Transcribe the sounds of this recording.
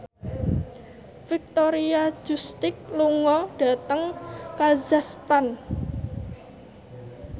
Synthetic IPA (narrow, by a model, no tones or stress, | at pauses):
fik̚t̪oɾiḁd͡ʒust̪ɪk̚luŋɔɖ̥a̤t̪əŋkazast̪an